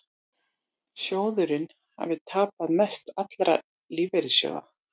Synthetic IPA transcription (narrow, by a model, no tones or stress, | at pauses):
sjoːwðʏɾɪn | ha̰vɪt̪ʰaːpaðmɛst̪at̪lɾa̰ | liːvɛɾɪsjœ̰ða̰